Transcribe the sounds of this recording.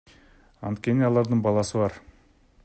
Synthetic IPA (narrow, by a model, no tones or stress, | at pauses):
ɑ̰nt̪kʲe̞nɪɑlˠɑɾd̪əɴbɑlˠɑsəbɑɾ